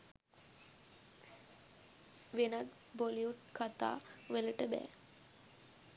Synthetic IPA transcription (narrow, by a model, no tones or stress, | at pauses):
ʋenat̪ | boliuʈkʰat̪a̰ːʋeləʈəbɛ̰ː